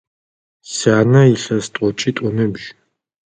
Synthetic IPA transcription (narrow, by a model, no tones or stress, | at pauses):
sanaiɬast̪ʼɔt͡ʃʼit̪ʼɔmɛbʒ